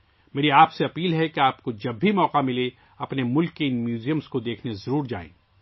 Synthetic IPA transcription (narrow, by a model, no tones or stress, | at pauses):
meːɾiaːpseɐpiːlɦɛkeaːp̚kod͡ʒɐbʱimɔːqamɪle | ɐpnemʊlkːeɪnmjuːzijəmskod̪eːkʰnezɐɾuːɾd͡ʒa̰ːḛ̃ː